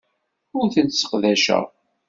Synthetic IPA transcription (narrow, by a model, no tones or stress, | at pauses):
ʊɾθənt̪sə̥qðæʃæ̰